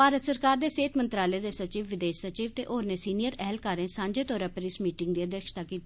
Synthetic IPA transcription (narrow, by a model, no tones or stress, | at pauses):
paːɾət̪səɾkaːɾd̪eːseːt̪ʰmənt̪ɾaːleːd̪eːsət͡ʃiːʋʋɪd̪eːʃsət͡ʃiːʋt̪ḛːʔoːɾneːsiːnijəɾɛɦlkaːɾẽːsãːɲd͡ʒeːt̪ɔːɾaːpəɾɪsmiːʈɪŋɡd̪iːəd̪jəːkʃt̪aːkiːt̪ː